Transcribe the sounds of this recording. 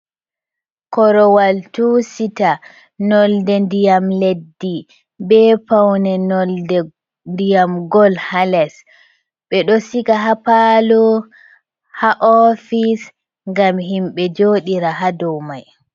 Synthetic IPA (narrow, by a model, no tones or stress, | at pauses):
kɔɾɔwaltusita | nɔldɛndijamledːi | bɛpawnɛnɔldɛ | ndijamɡɔlhalɛs | ɓɛɗɔsikaɦapalɔ | haʔɔfis | ŋɡamɦimɓɛd͡ʒoːɗiɾaɦadɔwmaj